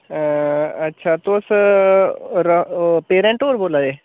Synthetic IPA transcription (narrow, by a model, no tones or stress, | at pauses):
ətːʃʰaːt̪oəs | ɾpeːɾɛ̃ɳʈoːɾboːlaːeː